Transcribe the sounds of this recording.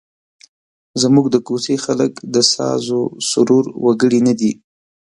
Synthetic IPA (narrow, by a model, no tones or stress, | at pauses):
zmuɡd̪əkosexaləkd̪əsɑ̰zosʊɾuɾwaɡəɽinad̪i